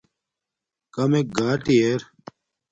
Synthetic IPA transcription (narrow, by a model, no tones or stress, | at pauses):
kɐmek̚ɡaːʈieɾ